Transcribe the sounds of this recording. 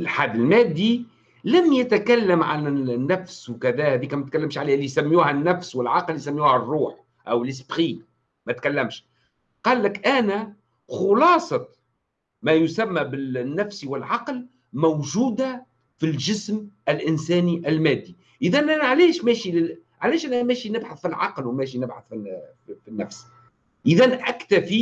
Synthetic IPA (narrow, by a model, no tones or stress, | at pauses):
lħad̪ːɪlmæːd̪ːi | læmjæt̪kælːamʕa̰nnːæfswkæðæːhæːðiːkæmæt̪̚kalːɪmʃʕaleːhlːisamːjuːhænːæfswɪlʕɑqlːisamːjuːhærˤːuːħ | ʔæwɪlɪs̬bxiːn | mæt̪kalːæmʃ | qɑːlːɪkʔænæ | xʊlɑːsˤɑ | mæjʊsæmːæbɪnːæfsiwɪlʕɑql | mawʒuːd̪a | filʒɪsmælʔɪnsæːniʔælmæːd̪ːi | ʔɪðænʔænʕalɛːʃmɛːʃilɪ | ʕalɛːʃʔænæmɛːʃinɪbħaθfilʕɑqlwmɛːʃinɪbħaθfi | finːæfs | ʔɪðænʔækt̪æfi